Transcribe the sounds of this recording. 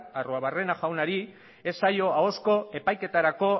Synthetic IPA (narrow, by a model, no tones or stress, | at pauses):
aroaβare̞naʝawnaɾi | e̞sajo̞ao̞sko̞e̞pajke̞t̪aɾako̞